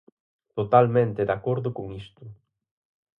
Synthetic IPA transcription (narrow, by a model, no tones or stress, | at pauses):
t̪ot̪almẽnt̪eðakoɾðʊkoŋist̪ʊ